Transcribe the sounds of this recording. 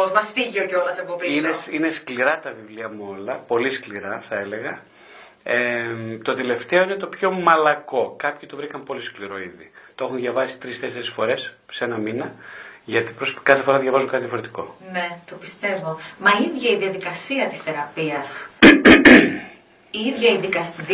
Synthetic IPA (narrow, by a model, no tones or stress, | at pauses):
ozmɐst̪iʝeoceolɐseboiineine̞skliɾɐt̪ɐvivliɐmuo̞lɐpo̞liskliɾɐθɐe̞le̞ɣɐ | et̪o̞t̪e̞le̞ft̪e̞o̞inet̪o̞pço̞mɐlɐko̞kɐpçit̪o̞vɾikɐmpo̞liskliɾo̞iðit̪oe̞xunðʝɐvɐsi̥t̪ɾist̪eseɾesfo̞ɾe̞sseenɐminɐʝɐt̪i̥pɾoskɐθefo̞ɾɐt̪ðʝɐvɐzuŋkɐt̪iðjɐfoɾet̪i̥ko̞̰net̪opist̪e̞vo̞mɐiðʝɐiðiɐðikɐsiɐt̪isθe̞ɾɐpiɐs | iiðʝɐiðikɐ